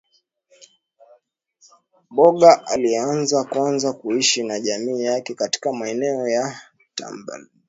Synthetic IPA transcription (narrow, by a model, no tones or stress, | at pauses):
ɓɔɠaʔalianzakwanzakuiʃinaʄamiːjakɛkati̥kamaɛnɛɔja | ta̰mba̰